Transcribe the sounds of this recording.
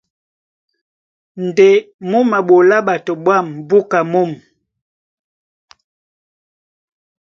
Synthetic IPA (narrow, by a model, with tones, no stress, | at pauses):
n̩˨de˨mu˦ma˨ɓo˨la˦ɓa˨tɔ˨ɓwa˦˨mbu˦ka˨mu˦˨m